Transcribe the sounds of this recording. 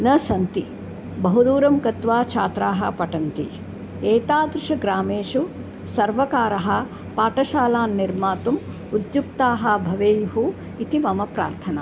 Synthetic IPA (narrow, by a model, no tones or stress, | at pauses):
nɐsɐnt̪i | bɐɦud̪uːɾɐmkɐt̪ʋaːt͡ʃʰaːt̪ɾaːɦɐ̰̆pɐʈɐnt̪ḭ | eːt̪aːd̪ɾɪʂɐɡɾaːmeːʂu | sɐɾʋɐkaːɾɐɦɐ̆ | paːʈɐʃaːlaːnːiɾmaːt̪um | ud̪juk̚t̪aːɦɐ̆bʱɐʋeːjuɦu | it̪imɐmɐpɾa̰ːɾt̪ʰɐnɐ̰